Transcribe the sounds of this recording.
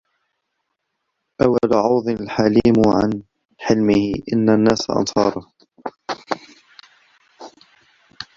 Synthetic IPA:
ʔawːalʕɑwðˤɨlħaliːmʕa̰n | ħɪlmɪhɪʔɪnːanːaːsa̰ʔɑ̰nsɑːɾˤɑ

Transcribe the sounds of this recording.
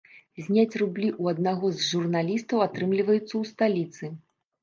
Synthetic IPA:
zʲnʲat͡sʲrublʲiʔuɐd̪̚naɣɔzʐurnalʲist̪ɐwat̪ɾɨmlʲivɐjut̪sːɐwst̪alʲit̪sɨ

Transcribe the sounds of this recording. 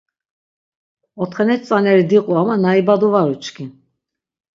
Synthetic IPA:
ɔt̪ʰχɛnɛt̪t͡s̪ʼanɛɾid̪iqʼuamanaibad̪uvaɾut͡ʃkʰin

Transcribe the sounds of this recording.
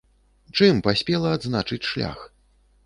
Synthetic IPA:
t͡ʂɨmpasʲpʲɛlˠɐːd̪znat͡ʂɨt͡sʲʂlʲa̰x

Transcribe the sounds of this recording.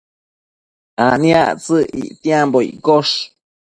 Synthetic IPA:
anĩaʔt͡sɨʔḭʔt̪iãmboḭʔkoʂ

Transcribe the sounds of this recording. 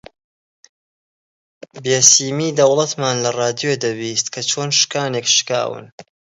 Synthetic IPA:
beːsiːmiːd̪ɐwlˠɐt̪maːnlɐrɑːd̪ijod̪ɐwiːst̪kʰɐt͡ʃʰoːnʃɨ̥kaːnekʃɨ̥ka̰ːwɨ̰n

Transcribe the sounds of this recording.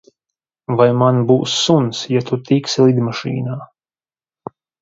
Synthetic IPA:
vajmanbuːsːunsjat̪ut̪ikslˠid̪maʃḭːnaː

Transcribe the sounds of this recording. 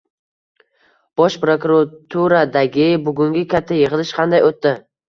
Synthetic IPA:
b̥ɒʃpɾokʊɾat̪ʰuɾad̪aɡʲɪbʊɡʊŋɡʲɪkʲʰat̪ʰːajɨʁɨlˠɪʃqʰɑnd̪ajot̪ːɪ

